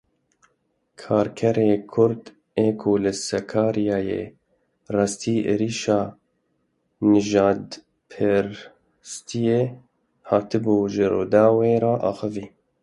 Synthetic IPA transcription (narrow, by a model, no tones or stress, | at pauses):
kʰɑːɾkʰɛɾeːkʰʊɾd̪ | eːkʰoːlɨsɛkʰɑːɾijɑːjḛː | rɑːst̪iːʔḛɾiːʃɑː | nɨʒɑːd̪ | pʰɨɾ | st̪ʰijeː | hɑːt̪ɨbuːʒɪɾo̰ːd̪ɑːweːɾɑːʔɑːxɨviː